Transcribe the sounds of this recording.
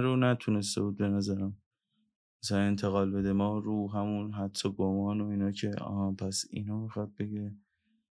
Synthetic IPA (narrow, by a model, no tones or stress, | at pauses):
ɾonæt̪ʰune̞st̪ḛbuːd̪̚be̞næzæɾæm | asane̞nt̪ʰeɣɒːlbe̞d̪emɒːɾuːɦæmunɦæt̪ʰːɔɡomɒːnoiːnɒːcʰe̞ɒ̰hpʰæsḭnɒːmixɒd̪̚be̞ɡiɾe